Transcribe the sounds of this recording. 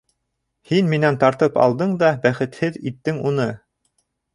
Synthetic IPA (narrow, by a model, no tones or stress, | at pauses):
hinminænt̪ɑɾt̪ɤpɑ̰lˠd̪ɤɴd̪ɑbæχɘ̆t̪hɘðit̪ːɘŋunɤ